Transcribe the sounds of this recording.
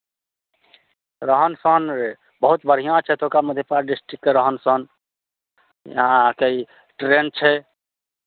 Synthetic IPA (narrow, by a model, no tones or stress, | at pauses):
ɾəɦənsən | bəɦut̪bəɾ̤ijãt͡ʃʰɛt̪okaməd̪ʱjepaɾɖisʈɾikːeɾəɦənsən | jə̰ɦãkei | ʈɾent͡ʃʰɛ